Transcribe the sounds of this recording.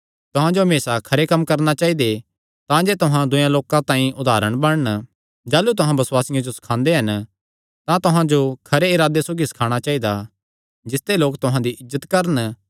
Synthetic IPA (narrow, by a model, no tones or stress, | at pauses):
t̪ʊɦãd͡ʒoɦɐmeːsakʰɐɾekɐmːkɐɾnat͡ʃaːid̪e | t̪ãd͡ʒeːt̪ʊɦãd̪ʊjãloːkãt̪ãːĩʔʊd̪aːɾəɽ̃bɐɽn | d͡ʒaːlːut̪ʊɦãbɐswaːsɪjãd͡ʒosɐ̥kʰãːnd̪eɦɐn | t̪ãt̪ʊɦãd͡ʒokʰɐɾeɪɾaːd̪esoːɡisɐ̥kʰaːɽ̃at͡ʃaːid̪a | d͡ʒɪst̪eloːkt̪ʊɦãd̪iʔɪzːət̪kɐɾən